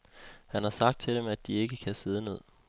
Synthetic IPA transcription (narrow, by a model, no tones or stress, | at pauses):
hænhɑ̈sɑ̈ɡ̥̚d̥̚t͡sʰe̝d̥emæd̥̚ie̝ɡ̥əkʰæse̝ð̞ˠəne̝ð̞̰ˠ